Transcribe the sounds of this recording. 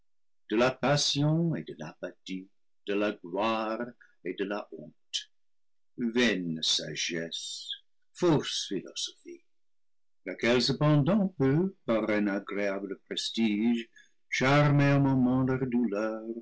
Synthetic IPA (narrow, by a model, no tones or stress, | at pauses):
d̪̥əlapasjɔ̃ed̪əlapat̪i | d̪̥əlaɡlwaʁ | ed̪əlaʔɔ̃t̪ | vɛnsa̰ʒɛs | fɔsfilosofi | lakɛlsəpɑ̃d̪ɑ̃pøpaʁɛ̃naɡɾeabləpɾestiʒ | ʃaʁmeõmɔmɑ̃lœʁd̪ulœːʁ